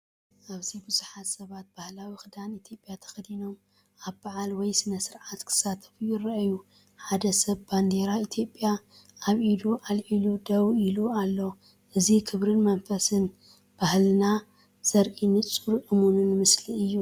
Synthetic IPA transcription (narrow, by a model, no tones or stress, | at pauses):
ʔaβzibuzuħat̪sɐβat̪̚b̥ahlawixɨd̪anit̪ʰjo̞pʼjat̪ʰɐ̥xd̪ino̞m | ʔaβbaʕalwɔjsɨnɐsɨɾʕat̪kʰɨ̥sat̪ʰɐ̥fujɪrɐʔju | ħad̪ɐsɐβband̪eɾait̪ʰjo̞pʼja | aβʔid̪uʔalʕilud̪ɐwilualːo | ʔɨzikʰɨβɾɨnmɐnfɐsɨn | b̥ahlɨna | z̥ɐɾʔʼinɨt͡sʼuɾʔɨmunɨnmɨsliɨjːu